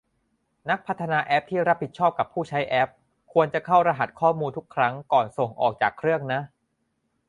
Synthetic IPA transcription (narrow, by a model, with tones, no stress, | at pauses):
na˦˥k̚pʰa˦˥t̪ʰːa˧naː˧ʔɛ˦˥p̚t̪ʰiː˥˩ɾa˦˥p̚ʰːi˨˩t̪̚t͡ɕʰɔː˥˩p̚ka˨˩pʰuː˥˩t͡ɕʰa˦˥jʔɛ˦˥p̚ | kʰu˧ənt͡ɕa˨˩kʰa˥˩wɾa˧ɦa˨˩t̪̚kʰɔː˥˩muː˧nt̪ʰu˦˥kʰɾa˦˥ŋkɔː˨˩nso˨˩ŋʔɔ̰ː˨˩k̚t͡ɕaː˨˩kʰːɾɯ˥˩əŋna˦˥ʔ